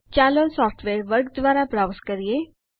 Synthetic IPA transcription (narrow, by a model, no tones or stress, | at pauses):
t͡ɕaːlosɔːfʈʰʋeːɾʋəɾɡ̚d̪ʋaːɾabɾawskəɾije